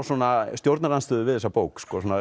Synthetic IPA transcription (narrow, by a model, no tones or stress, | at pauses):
sɔːnast̪jowɾt̪naɾanst̪ʏːðʏvɪðθɛsapowkskɔːsɔːna